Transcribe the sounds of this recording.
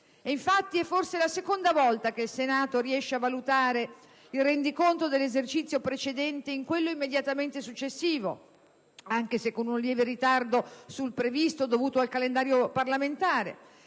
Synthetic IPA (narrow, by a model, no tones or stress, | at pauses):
eiɱfat̪ːiɛfːorselasekond̪avɔlt̪ak̟eilsenaːt̪oɾiɛʃːeavːalut̪aːɾe | ilrɛnd̪ikont̪od̪elːezert͡ʃit̪sːjopɾet͡ʃed̪ɛnt̪eiŋkwelːoimːed̪jat̪ament̪esut͡ʃːesːiːvo̰ | aŋk̟esekːonunljɛːveɾit̪ard̪osulpɾevist̪od̪ovuːt̪oalkalend̪aːɾjoparlament̪aːɾḛ